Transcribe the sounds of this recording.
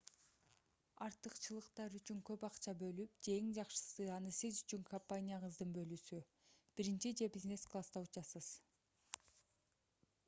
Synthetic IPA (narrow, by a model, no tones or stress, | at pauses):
ɑɾt̪ɯqt͡ʃɯlˠɯqt̪ɑɾyt͡ʃyŋkø̞pɑqt͡ʃɑbø̞lyp̚d͡ʒeeŋd͡ʒɑqʃɯ̥sɯɑnɯsizyt͡ʃyŋkʰompanʲijaʁɯzd̪ɯɴbø̞lysy | b̥iɾint͡ʃid͡ʒe̞bʲizne̞sklˠast̪ɑut͡ʃɑsɯz̥